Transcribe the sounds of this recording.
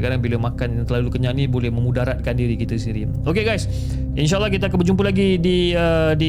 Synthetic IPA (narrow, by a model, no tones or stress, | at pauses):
kaɾaŋbilamakanjaŋt̪əlalukəɲãnibolɛhmə̃mudaɾat̪̚kandiɾikit̪asiɾi | okeɡajs | inʃ̬aəlːahkit̪̬aːk̬anbərd͡ʒumpəlaɡidiədi